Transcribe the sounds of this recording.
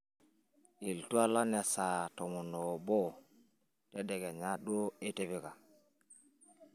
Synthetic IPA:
i˨ltu˦a˦la˦ne˨sa˨to˨mu˨no˨bo˦ | te˦de˨ɡe˨ɲa˦ɗu˦o˦e˦te˦βi˦ka˨

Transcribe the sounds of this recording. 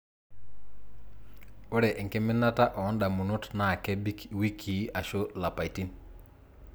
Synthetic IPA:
o˦ɾɛ˨ʔɛ˨ŋke˦mɪ˦na˦ta˦ʔɔ˨ɔ˦nda˨mu˨no˦tna˨kɛ˦bi˦kwi˦kʰi˨˦a˨ʃo˦la˨pa˨i˨ti˦n

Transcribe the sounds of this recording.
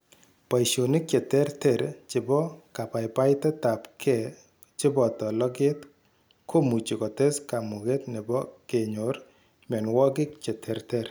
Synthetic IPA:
pa˨iʃo˨nɪ˦k̚t͡ʃe˨tɛ˦ɾtɛ˦˨ɾt͡ʃɪ˨bɔ˦ka˨pa˨ɪpa˦ɪtɛ˦ta˨pkʰɛ˦˨ | t͡ʃɪ˦bɔ˨tɔ˨lɔ˦ɡe˦t | kʰo˦mu˨t͡ʃi˨kɔ˨tɛ˦ska˨mu˨ɡe˦tnɪ˨bɔ˦ke˨ɲo˨r | mɛ˨nwɔ˦ɡɪ˦kt͡ʃe˨tʰɛ˨ɾtɛ˦ɾ

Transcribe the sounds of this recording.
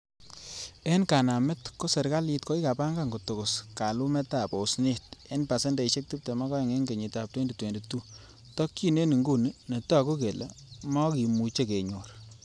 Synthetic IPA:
e˦nka˨na˨mɪ˦tko˦se˨ɾka˦li˦tko˦i˦ka˨pa˦ŋɡa˦ŋɡo˨to˨kʊ˨ska˨lu˦mɛ˦ta˨po˨sni˦te˦npa˨sɛ˦nde˨i˨ʃe˦k̚ti˦p̚te˨ma˦kɔ˦e˨ŋe˦ŋɡe˨ɲi˨ta˨p̚twe˦nde˨twe˨nde˨tːu˦ | tɔ˦kːi˦ne˦ni˨ŋɡu˦nne˨ta˦˨ko˦ke˨le˨ | mɔ˦ki˨mu˨t͡ʃe˦ke˨ɲo˨r

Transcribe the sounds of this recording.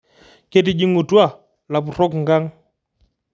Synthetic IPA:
kɛ˦t̬i˨d͡ʒi˦ŋu˨twa˦˨ | la˨pu˨ɾɔ˦kŋɡa˦ŋ

